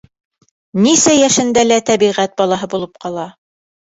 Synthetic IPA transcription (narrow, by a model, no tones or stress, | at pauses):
nisæjæʃɘ̆nd̪ælæt̪æβiʁæt̪̚bɑlˠɑɦɤbulˠɤp̚qɑlˠɑ